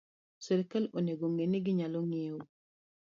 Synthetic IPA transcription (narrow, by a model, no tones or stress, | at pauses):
sɛɾkaloneɡoŋeniɡiɲaloŋew